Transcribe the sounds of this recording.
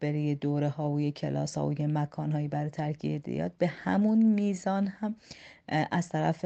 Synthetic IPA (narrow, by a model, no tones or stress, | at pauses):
beɾijed̪oːɾehɒːojecʰelɒ̰ːshɒ̰ːojemækʰɒːnɦɒːjibæɾet̪ʰæɾkʰḭd̪ḛjɒ̰ːd̪̚behæ̰munmiːzɒːnhæm | ʔæz̥t̪ʰæɾæf